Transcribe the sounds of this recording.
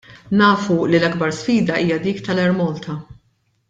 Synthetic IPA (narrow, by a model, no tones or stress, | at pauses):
nɐːfulilɐɡbɐɾsfiːd̪ɐʔiːjɐd̪iːkt̪ɐlɛɾmɔlt̪ʰɐ